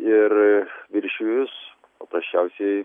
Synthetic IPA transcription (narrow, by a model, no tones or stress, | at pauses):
ɪɾʋʲɪɾʲʃʲujʊs | pɐpɾɐsʲt͡ʃʲæʊsʲɛ